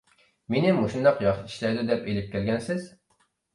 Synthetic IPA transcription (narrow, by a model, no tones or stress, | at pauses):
menɪmoʃund̪ɑqjɑʃɪt̪ʰi̥ʃlæɾd̪ud̪ɛpelɪp̚kʲɛlɡʲɛnsɪz̥